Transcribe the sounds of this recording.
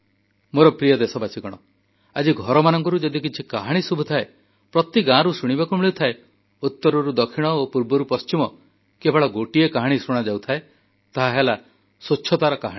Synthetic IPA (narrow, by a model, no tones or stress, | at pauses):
moɾɔpɾijɔd̪esɔbasʰikɔɽ̃ɔ | ad͡ʒiɡʱɔɾɔmanɔŋkɔɾud͡ʒɔd̪ik̬it͡ʃʰikaɦaɽ̃isubʱut̪ʰae | pɾɔt̪iɡãɾusuɽ̃ibakumiɭit̪ʰae | ut̪ːɔɾɔɾud̪ɔkʰiɽ̃ɔopuɾbɔɾupɔst͡ʃimɔ | kebʱɔɭɔɡoʈiekaɦaɽ̃isoɽ̃ad͡ʒawt̪ʰae | t̪aɦaɦela | sot͡ʃʃʰɔt̪aɾɔkaɦãi